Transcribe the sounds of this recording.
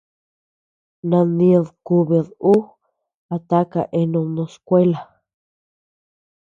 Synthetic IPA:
nã˧nĩ˧ðku˧βe˧ðu˦ | a˧t̪a˦ka̰˨ʔe˧nõ˧nõ˧skʷe˦la˨

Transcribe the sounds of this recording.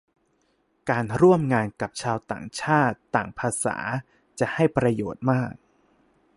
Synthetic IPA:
kaː˧nɾu˥˩əmŋaː˧nka˨˩p̚t͡ɕʰaː˧wt̪a̰ː˨˩ŋt͡ɕʰaː˥˩t̪ːaː˨˩ŋpʰaː˧sa̰ː˩˦ | t͡ɕa˨˩ha˥˩jpɾa˧joː˨˩t̪̚maː˥˩k̚

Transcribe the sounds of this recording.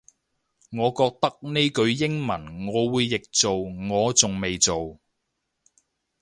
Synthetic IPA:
ŋɔː˨˧kɔː˧k̚t̪ɐ˥k̚ne˥jkɵ˨˧ɥjɪ˥ŋmɐ˨˩nŋɔː˨˧wuː˨˧jːɪ˨k̚t͡so˨wŋɔː˨˧t͡sʊ˨ŋme˨jt͡so˨w

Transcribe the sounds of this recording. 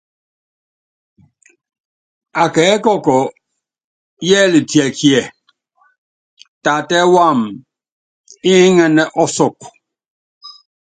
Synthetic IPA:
ta˨kɛ˨˦kɔ˦kɔ˨ | jɛ˦li˨tjɛ˨kjɛ˨ | ta˨tɛ˦wa˦˨m | i˦ŋɛ˦nɛ˦ʔɔ˦sɔ˦˨k

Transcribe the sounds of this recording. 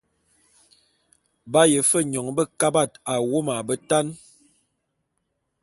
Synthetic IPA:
ba˦jə˨fə˦ɲɔ˨ŋbə˦ka˦ba˦˨ta˨wo˦ma˨bə˦ta˦n

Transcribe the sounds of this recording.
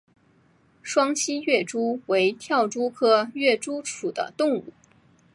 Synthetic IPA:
ʂwɑ˥ŋɕi˥ɥɛ˥˩ʈ͡ʂu˥we˧˥ɪt̪ʰjɑ˥˩ʊʈ͡ʂu˥kʰɤ˥ɥɛ˥˩ʈ͡ʂu˥ʈ͡ʂʰu˨˩d̪ə̰˦t̪ʊ˥˧ŋṵ˥˩

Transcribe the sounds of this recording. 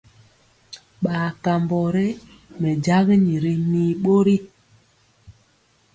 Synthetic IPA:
ɓaː˨ka˨mbɔ˨ɾɛ˦ | mɛ˨d͡ʒa˦ɣɲi˨ɾi˦miː˨ɓo˦ɾi˦

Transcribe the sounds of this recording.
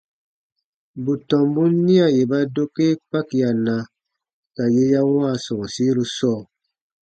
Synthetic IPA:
bu˨tɔ̃˨mbu˦nĩ˦a˨je˨ba˦do˦ke˦pa˦kja˨nã˨ | ka˨je˦ja˦waː˦˨sɔ˨si˦ɾu˧sɔː˦˨

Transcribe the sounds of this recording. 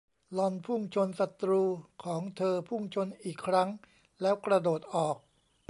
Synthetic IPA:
lɔ˧npʰu˥˩ŋt͡ɕʰo˧nsa˨˩t̪ɾuː˧kʰɔː˩˦ŋt̪ʰɤː˧pʰu˥˩ŋt͡ɕʰo˧nʔiː˨˩kʰːɾa˦˥ŋ | lɛː˦˥wkɾa˧doː˨˩t̪̚ʔɔː˨˩k̚

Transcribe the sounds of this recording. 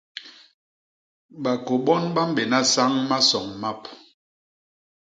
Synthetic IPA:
ɓa˨ko˨ɓɔ˦nɓa˦m̩˦be˨na˦sa˦ŋma˦sɔ˨ŋma˦p

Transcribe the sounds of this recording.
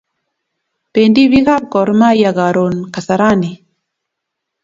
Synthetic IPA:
pe˨ndi˦βi˦ɣa˦p̚kɔ˨ɾma˦ja˨ɣa˨ɾo˨nka˨sa˨ɾa˦ni˨

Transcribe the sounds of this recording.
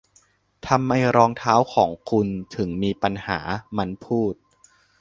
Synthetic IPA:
t̪ʰa˧mːa˧jɾɔː˧ŋt̪ʰaː˦˥wkʰɔː˩˦ŋkʰu˧nt̪ʰɯ˩˦ŋmiː˧pa˧nha̰ː˩˦ma˦˧˥npʰuː˥˩t̪̚

